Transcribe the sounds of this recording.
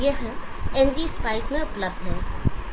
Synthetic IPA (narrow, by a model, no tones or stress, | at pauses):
eɦɛ̃ẽnɖispaːɪsmẽʊpləb̚d̪ɦɛː